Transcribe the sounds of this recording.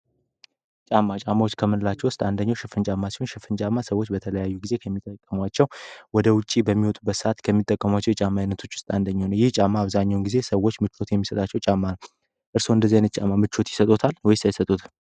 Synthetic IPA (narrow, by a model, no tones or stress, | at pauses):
t͡ʃʼamːat͡ʃʼamːawot͡ʃːkʰəmɨnlːat͡ʃːɛwʊst̪ʼand̪əɲːawʃɪfɨnt͡ʃʼamːasi̥ho̞nʃɪfɨnt͡ʃʼamːasəwːo̞t͡ʃːbət̪ʰələjajːuɡize̞kʰəmːit̪ʼːəkʼːəmwat͡ʃːɛwwɔd̪əwʊt͡ʃʼːibəmːiwɔt̪ʼubːət̪sɨat̪kʰəmːit̪ʼːəkʼːəmwat͡ʃːɛwɛt͡ʃʼamːajnːət̪ʰo̞t͡ʃːwʊ̥st̪ʼand̪əɲːonəwjɪht͡ʃʼamːaːβzaɲːawnɡize̞səwːot͡ʃːmɨt͡ʃʰːo̞t̪jɛmːisət̪ʼat͡ʃːɛwt͡ʃʼamːanəw | ʔɨɾso̞ɨnd̪əzːanɨt͡ʃʼamːamɨt͡ʃːo̞t̪jɪ̥sət̪ʼo̞t̪ʰalwɔjɪst̪ajɪsət̪ʼut̪